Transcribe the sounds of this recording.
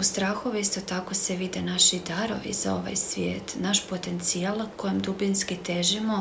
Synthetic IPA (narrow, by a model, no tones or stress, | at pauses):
ust̪ɾaːxo̞ʋiist̪ot̪ako̞seʋid̪anaʃid̪aɾo̞̰ʋḭza̰o̞ʋa̰jsʋʲjḛːt̪naʃpo̞t̪e̞nt̪sialako̞jemd̪ubinskit̪eʒimo